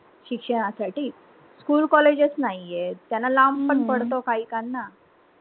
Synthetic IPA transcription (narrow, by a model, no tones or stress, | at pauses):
ɕikʂəɽ̃asaʈiː | skuːlkɔled͡ʑet͡snaɦiet̪janːalampəɳpəɽt̪okaɦiːkanːa